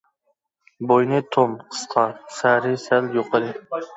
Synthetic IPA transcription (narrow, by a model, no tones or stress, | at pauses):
bojnɪt̪ʰomqʰə̥sqʰɑsæɾɪsæljoqɨd̪ɪ